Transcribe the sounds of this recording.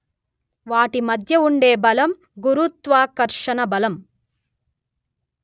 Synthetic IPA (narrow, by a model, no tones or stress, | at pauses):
ʋaːʈimɐd̪ʱjɐuɳɖeːbɐlɐm | ɡuɾut̪ʋaːkɐɾʂɐnɐbɐlɐm